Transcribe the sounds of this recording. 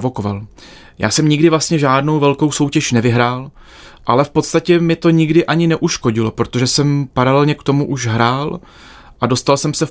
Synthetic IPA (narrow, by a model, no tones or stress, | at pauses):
voko̞val | ja̰ːsɛmɲɪɡdɪvlast̪ɲɛʒaːdno̞wvɛlko̞wso̞wcɛʃnɛvɪɦɾaːl | ʔalɛfpot̪st̪acɛmɪt̪o̞ɲɪɡdɪʔaɲɪnɛʔuʃko̞ɟɪlo̞pɾo̞t̪o̞ʒɛsɛmpaɾalɛlɲɛkt̪o̞muʔuʒɦɾaːl | ʔado̞st̪alsɛmsɛ